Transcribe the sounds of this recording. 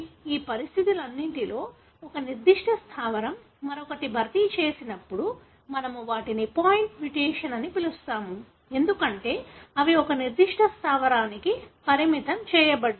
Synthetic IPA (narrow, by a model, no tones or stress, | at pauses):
iːpɐɾist̪ʰit̪ilɐnːiɳʈilo̞ː | ɔkɐniɾd̪iʂʈʰɐst̪ʰaːʋɐɾɐmː | ɐɾɔkɐʈibʱɐɾt̪it͡ʃeːsinɐpːuɽu | mɐnɐmuʋaːʈinipaːjiɳʈʋiʈeːʂɐnɐnipilust̪aːmu | e̞nd̪ukɐɳʈe̞ːɐʋiɔkɐniɾd̪iʂʈʰɐst̪ʰaːʋɐɾaːnikipɐɾimit̪ɐmt͡ʃɛːjɐbɐɽ